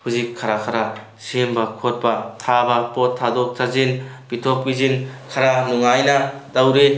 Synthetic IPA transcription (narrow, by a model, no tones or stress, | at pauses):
huzikʰːaɾakʰaɾa | sembɐkʰot̚pɐtʰabɐpotʰːadok̚tʰazin | b̥itʰop̚kizinkʰaɾanuŋajnɐdɐwɾe